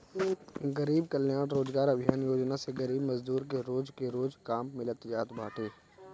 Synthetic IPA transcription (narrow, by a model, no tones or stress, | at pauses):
ɡəɾiːbkəljaːɽɾoːd͡ʒɡaːɾɐbʱɪjaːnjoːd͡ʒnaseɡəɾiːbmɐzd̪uːɾkeɾoːd͡ʒkeɾoːd͡ʒkaːmːɪlət̪jaːt̪bʱaːʈʰeː